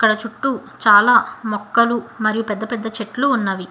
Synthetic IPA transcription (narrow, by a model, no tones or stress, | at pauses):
ɐkːɐɽɐt͡ʃuʈːut͡ʃaːlaːmɔkːɐlumɐɾijupɛd̪ːɐpɛd̪ːɐt͡ʃeʈluunːaːʋi